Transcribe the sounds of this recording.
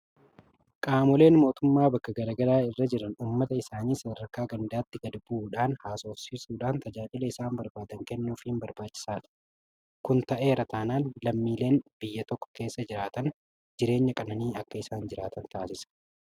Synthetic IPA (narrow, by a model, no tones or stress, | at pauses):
kʼaːmɔle̞ːnmo̞ːt̪ʊmːaːbɐkːɐɡɐɾɐɡɐɾaːɪrːɐd͡ʒɪɾɐnuːmːɐt̪ɐɪsaːniːsɐd̪ɐɾkaːɡɐnd̪aːt̪ːɪɡɐd̪buːᶑaːnhaːso̞ːfsiːsuːᶑaːnt̪ɐd͡ʒaːd͡ʒɪlɐɪsaːmbɐɾbaːd̪ɐŋkɛnːuːfimbɐɾbaːt͡ʃːɪ̥saːᶑɐ̥ | kʊnt̪ɐʔe̞ːɾɐt̪aːnaːnlɐmːiːle̞ːnb̥ɪjːɐt̪ɔkːɔ̥ke̞ːsːɐd͡ʒɪɾaːt̪ɐn | d͡ʒɪɾe̞ːɲːɐkʼɐnɐniːɐkːɐɪsaːnd͡ʒɪɾaːt̪ɐnt̪aːsɪsɐ̥